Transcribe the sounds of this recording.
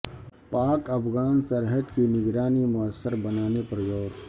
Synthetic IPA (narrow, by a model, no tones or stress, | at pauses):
paːkɐpʰɣaːnsəɾɦəd̪kinɪɡɾaːnimʊəsːəɾbɐnaːnepɾɐjoːɡ